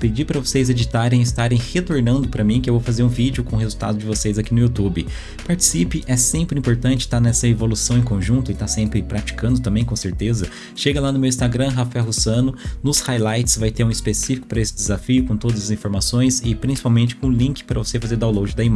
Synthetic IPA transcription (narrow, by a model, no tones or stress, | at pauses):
ped͡ʒipɾɐvosejzed͡ʒit̪aɾẽj̃ɪst̪aɾẽj̃het̪oɾnɐ̃nd̪ʊpɾɐmĩkɪewvowfazeɾũvid͡ʒʊkõɦezuwt̪a̰d̪ʊd͡ʒɪvosejzakinʊut̪ubɪ | paɾt͡ʃi̥sipɪʔɛsẽmpɾɪĩpoɾt̪ɐ̃nt͡ʃɪ̥t̪aɾnɛsɐevolusɐ̃w̃ẽkõʒũt̪ʊɪt̪asẽmpɾɪpɾat͡ʃi̥kɐ̃nd̪ʊt̪̬ɐ̃mbẽj̃k̬õseɾt̪ezɐ | ʃeɡɐlanʊmewĩst̪aɡɾɐ̃ɦafaɛwɦosɐ̃nʊnʊshajlajt͡ʃɪ̥svajt̪eɾũispesifi̥kʊpɾɐesɪ̥d̪ɪzafijʊkõt̪od̪ɐzɐzĩfoɾmasõj̃sɪpɾĩsi̥pawmẽnt͡ʃɪ̥kõʊlĩkɪ̥pɾɐvosefazeɾd̪awlowd͡ʒɪd̪ɐim